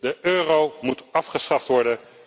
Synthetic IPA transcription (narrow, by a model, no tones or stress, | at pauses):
dəʔøːrowmutɑfχəsχɑftʋɔɹdən